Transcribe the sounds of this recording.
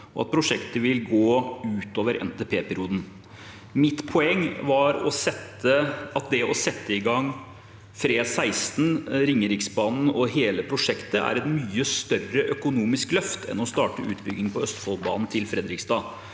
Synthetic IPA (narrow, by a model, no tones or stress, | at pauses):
ɔɑt̪̚pʰɾʊʂɛkt̪əʋɪlɡoːʉːt̪oːʋəɾɛ̰nt̪ɛːpʰeːpæɾɪuːd̪n̩ | mɪt̪ːpʰɔɛŋːʋɑɾɔ̰sɛt̪əɑt̪̚d̪ɛɔsɛt̪ʰːəɪɡɑŋː | fɾeːsæɪst̪n̩ɾɪŋːəɾɪksbɑːnn̩ɔɦeːləpʰɾʊʂɛkt̪əʔæ̰ɾɛt̪myːəst̪œrəʔœkʊnuːmɪsklœft̪ʰɛ̰nɔst̪ɑːʈəʔʉːt̪bʏɡɪŋpʰɔœst̪fɔlˠbɑːnn̩t̪ʰɪlfɾɛd̪ɾɪksd̪ɑː